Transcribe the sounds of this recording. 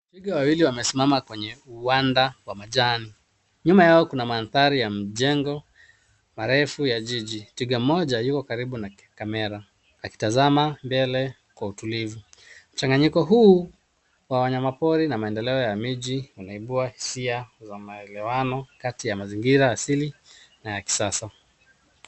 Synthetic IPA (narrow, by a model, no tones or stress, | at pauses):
tiɡawawiliwamɛsimamakwɛɲɛuwandawamaʄani | ɲumajaɔkunamanθaɾijam̩ʄɛŋɡɔ | maɾɛfujaʄiʄitiɡam̩mɔʄajukɔkaɾiɓuna | kamɛɾa | aki̥tazamambɛlɛ | kwautulivum̩t͡ʃaŋɡaɲikɔɦuː | wawaɲamapɔɾinamaɛndɛlɛɔjamiʄiwanaiɓuahi̥siazamaɛlɛwanɔkatijamaziŋɡiɾaːsilinajaki̥sasa